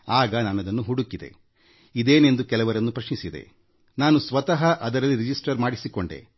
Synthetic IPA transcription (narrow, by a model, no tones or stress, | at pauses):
aːɡɐnaːnɐd̪ɐnːuɦuɽukːid̪e̞̰ | id̪eːne̞nd̪ukɛlɐʋɐɾɐnːupɾɐʂnisid̪e̞̰ | naːnusʋɐt̪ɐɦɐʔɐd̪ɐɾɐlːiɾid͡ʒisʈɐɾmaːɽisiko̞ɳɖḛ